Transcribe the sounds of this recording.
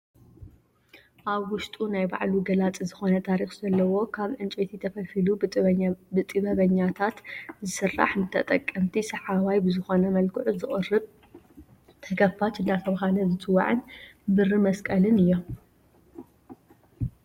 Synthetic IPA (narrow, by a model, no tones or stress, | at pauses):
ʔaβwʊʃt̪ʼunajba̰ʕluɡɐlat͡sʼizɨxo̞nɐt̪ʰaɾixzɐlːɐwo̞kʰaβʕɨnt͡ʃʼet̪ʰit̪ʰɐfɐfilu | bɨt̪ʼɨβɐβɐɲːat̪ʰat̪zɨsɨrːa̰ħnɨt̪ʰɐt̪ʼɐkʼːɐmt̪ʰisɐħaβajbɨzɨxo̞nɐmɐlkʰɨʕuzɨχʼɨrːɨβ | t̪ʰɐkʰɐfat͡ʃɨnd̪at̪ʰɐβɐɦalɐzɨt͡sʼɨwːa̰ʕɨnbɨrɨmɐskʼɐlɨnɨjːom